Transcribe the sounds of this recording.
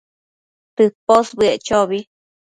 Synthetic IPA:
t̪ɨposbɨeʔt͡ʃoβi

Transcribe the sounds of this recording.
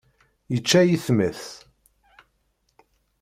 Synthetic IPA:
jət͡ʃːæjiθməθ

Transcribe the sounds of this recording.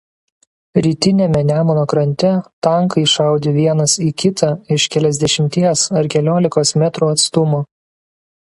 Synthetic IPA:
ɾʲiːt̪ʲɪnʲɛmʲɛnʲæːmonoːkɾɐnʲt̪ʲɛt̪ɐŋkɐɪʃɑˑʊd̪ʲeːʋʲiɛnɐsiːkʲɪt̪ʰɑɪʃkʲɛlʲɛzʲd̪ʲɛʃʲɪmʲt̪ʲiɛsɐɾkʲɛlʲoːlʲɪkoːsmʲɛt̪ɾuːɐt̪st̪ʊmuː

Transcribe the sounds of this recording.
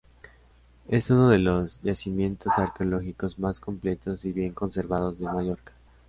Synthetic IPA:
e̞suno̞ð̞e̞lo̞zʝasimjẽ̞nt̪o̞saɾkeolo̞xiko̞zmasko̞mple̞t̪o̞siβje̞ŋko̞nse̞ɾβaðo̞zðe̞maʝo̞ɾkḁ

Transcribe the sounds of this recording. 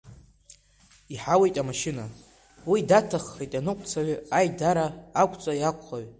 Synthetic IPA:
iħawe̞jtʼamaʃɪna | widatʰaχːejtʼanɨkʷʼt͡sʰaɥajdaɾaːkʷʰʼt͡sʷʼajakʷʰʼχaɥ

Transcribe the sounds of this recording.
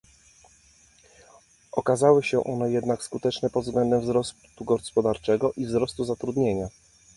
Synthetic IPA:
ʔɔkazawɘɕɛʔɔnɛjɛd̪nakskut̪ɛt͡ʂnɛpɔd̪vzɡlɛnd̪ɛmvzɾɔst̪t̪uɡɔspɔd̪aɾt͡ʂɛɡɔʔivzɾɔst̪uzat̪ɾud̪ɲeɲa

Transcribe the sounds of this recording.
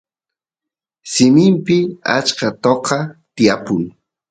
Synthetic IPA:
sɪmɪmpɪa̰t͡ʃkat̪oqɑt̪ɪjapʊŋ

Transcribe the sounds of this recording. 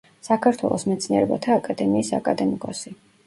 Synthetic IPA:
sakʰaɾt̪ʰwɛ̰lˠɔsmɛt̪sʰniɛɾɛba̰t̪ʰaːkʼad̪ɛmiːsa̰kʼad̪ɛmikʼɔsi

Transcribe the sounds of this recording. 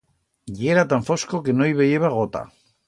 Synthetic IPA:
jeɾat̪aɱfo̞skoke̞noiβejeβaɣot̪a̰

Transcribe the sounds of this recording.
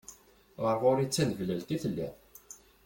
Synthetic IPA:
ʁəɾˤʁʊɾit͡sːænəvlælt̪iθəlːḭ

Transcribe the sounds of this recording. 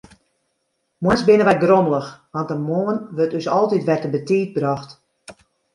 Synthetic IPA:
mwɛnsbɪnəʋɛt̚droməlˠəxʋɑntəmoːənʋørtøsɔlˠtitʋɛrtəbətiːt̚brɔxt

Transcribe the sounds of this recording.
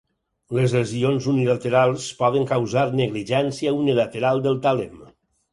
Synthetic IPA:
lezlezionzunilət̪eɾalˠspɔð̞əŋkawzaɾneɣliʒɛnsiəunilət̪eɾalˠd̪əlˠt̪alem

